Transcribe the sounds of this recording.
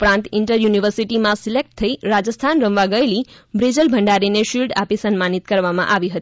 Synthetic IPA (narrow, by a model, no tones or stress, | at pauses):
upɾant̪iɳʈʌɾjunibʱʌɾsiʈimasilek̚ʈ̚t̪ʰʌjɾad͡zəst̪ʰanɾʌmʋaɡʌjlibɾid͡zəlbʱʌɳɖaɾineʃilʈapisʌnmanit̪̚kʌɾbama̰ʔaʋiɦʌt̪i